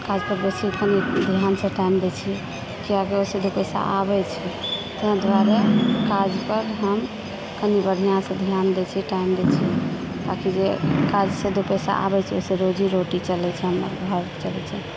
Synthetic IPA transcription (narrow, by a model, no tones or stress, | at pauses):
kad͡ʒpəɾbet͡ʃʰikənid̪ʱijansẽʈaimd̪ɛt͡ʃʰi | kiakeosed̪opɛsa̰ʔabɛt͡ʃʰit̪əɦə̃d̪ʋaɾekad͡ʒpəɾɦəm | kənibəɽ̤ʱijãsẽd̪ʱijand̪ɛt͡ʃʰɛʈaimd̪ɛt͡ʃʰi | b̪akid͡ʒekad͡ʒsed̪opɛsa̰ʔa̰bɛt͡ʃʰɛosẽɾod͡ʒiɾoʈit͡ʃəlɛt͡ʃʰɛɦəmə̰ɾbʱəɾt͡ʃəlɛt͡ʃʰɛ